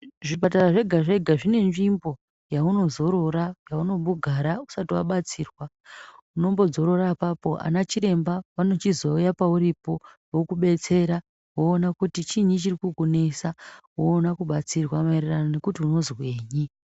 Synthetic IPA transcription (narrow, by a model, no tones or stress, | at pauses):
ʐipat̬araʐe̞ɡʱaʐe̞ɡʱaʐine̞nʐimbo̞ | jauno̞zo̞ɾo̞ɾajauno̞ɓuɡʱaɾausatiwa̰ɓat͡siːrwa | uno̞mbo̞d͡zo̞ɾo̞ɾapapo̞ʔa̰nat͡ʃiɾe̞mbaʋano̞t͡ʃizoujapauɾipo̞ | wokuɓe̞t͡se̞ɾa | woːnakutit͡ʃiɲit͡ʃirikuɡune̞sawoːnakuɓat͡sirwamaeriranone̞kutiuno̞zweːɲi